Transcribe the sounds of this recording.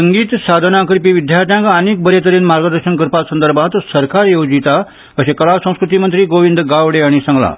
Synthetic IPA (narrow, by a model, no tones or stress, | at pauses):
səŋɡiːt̪sad̪ʱənãkɾipiʋid̪ʱjaɾt̪jãŋkaəneːk̚bəɾet̪əɾiːnmaɾɡəd̪əɾɕənkɾpasənd̪əɾbʱãt̪səɾkaɾjod͡zit̪a | əɕekəlasə̃w̃skɾut̪imənt̪ɾiːɡoʋind̪ɡaʋɽeaɽ̃isəŋɡla̰